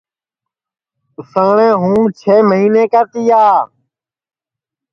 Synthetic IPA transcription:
ʊsə̃ːɳẽːɦũːmt͡ʃʰeːməɦiːneːkəɾt̪iːaː

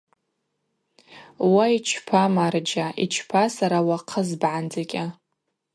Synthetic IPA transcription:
wait͡ʃʰpʰamard͡ʒaʔḭt͡ʃʰpʰasaɾawaqʰəzbʕand͡zakʲʼa

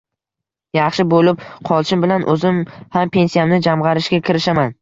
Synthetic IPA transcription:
jɑχʃɪbolɪp̚qʰɒlˠʃɪmbɪlanʔɵzɪmhampʰe̞nsijamnɪd͡ʒamʁɑɾɪʃɡʲakʲʰɪɾɪʃaman

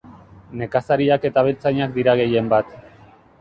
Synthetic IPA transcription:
ne̞kasaɾiake̞t̪aβ̞e̞lt͡saɲakd̪iɾaɣ̞e̞je̞mbat̪

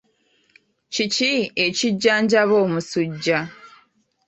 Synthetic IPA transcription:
cicie̞ciɟːaːɲɟaβo̞ːmusuɟːa

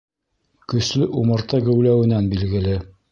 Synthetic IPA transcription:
kɵ̆slɵʔumɤ̆ɾt̪ɤɡɘ̆wlæwɘ̆nænbilɡɘ̆lɘ

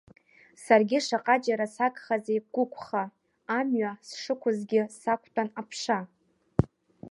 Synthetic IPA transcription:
sarɡʲɪʂaqʼad͡ʒaɾasakʼχazejɡ̥ʷʊkʷʰʼχaː | mɥasʂɨkʷʰʊzɡʲɪsakʷʰtʼanapʰʂa

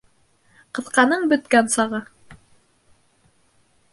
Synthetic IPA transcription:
qɤ̆θqɑnɤɴbɵ̆t̪kænsɑʁɤ

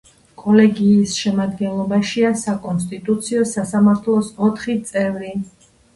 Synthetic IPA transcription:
kʼɔlɛɡiːsʃɛmad̪ɡɛnlˠɔbaʃiasakʼɔnst̪ʼit̪ʼut̪sʰiɔsasamaɾt̪ʰlˠɔsɔt̪ʰχit̪sʼɛvɾi

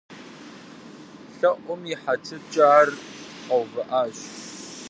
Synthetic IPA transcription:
ɬɐʔʷʊmjɪħatʰɨt͡ʃʼaːrqɐwɣɐʔaːɕ

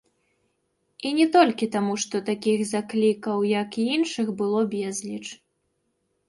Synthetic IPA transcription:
inʲɛt̪ɔlʲkʲit̪amuʂt̪ɔt̪akʲiɣzaklʲikɐwjɐkiinʂɨxbɨlˠɔbʲɛzlʲit͡ʂ

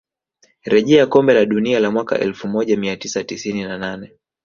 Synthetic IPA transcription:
ɾɛʄɛakɔmbɛlaɗunialamwaka̰ʔɛlfumɔʄamiatisatisininananɛ

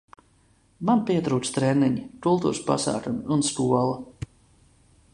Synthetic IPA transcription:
manpiɛt̪ɾuːt̪st̪ɾɛnːiɲit̪ulˠt̪ṵɾspa̰sa̰ːkumunskuɔlˠa

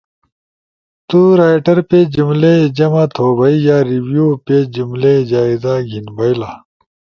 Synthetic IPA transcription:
t̪uːɾaːjʈɐɾped͡ʑumled͡ʑɐmat̪ʰoːbʱɐijaːɾiwjuːped͡ʑumled͡ʑaːizaɡʱinbɐjla

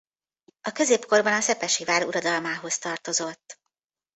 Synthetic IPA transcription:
ɒkø̞zeːpko̞rbɒnɒsɛpɛʃivaːɾuɾɒd̪ɒlmaːɦo̞st̪ɒrt̪o̞zo̞t̪ː

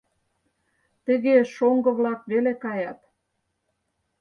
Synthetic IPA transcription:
t̪ə̆ɣeʃoŋɡɤ̆βlɑkβelekɑjɑt̪

